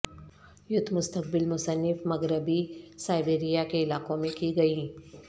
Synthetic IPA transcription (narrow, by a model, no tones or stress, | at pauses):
jʊd̪ʱmʊst̪ək̚bɪlmʊsənːɪfmɐɡɾəbisaːɪbeːɾijakeɪlaːqõmẽkiɡɐiː